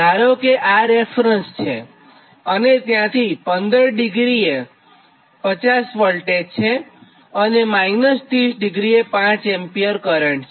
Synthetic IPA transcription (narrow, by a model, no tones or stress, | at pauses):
aɾokeʔaɾefɾənst͡ʃʰe | ənet̪jãt̪ʰipənd̪əɾɖɪɡɾie | pət͡ʃasʋəlʈet͡ʃʰe | ənemajɡnəst̪isɖɪɡɾiepãt͡ʃɛmpijəɾkəɾəɳʈʰ